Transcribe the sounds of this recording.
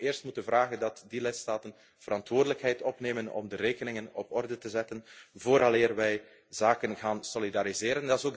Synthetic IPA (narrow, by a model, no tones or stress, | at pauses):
ɪːrstmutənvraːɣəndɑtdilɪtstaːtən | v̥əɾɑntwoːrdələkɦɛjtɔpneːmənɔ̰mdəreːkənɪŋənɔpɔrdətəzɛtənvoːɾʔɑleːrʋɛj | zaːkənɣaːnsolidaɾizeːɾəndɑɪzoːɡ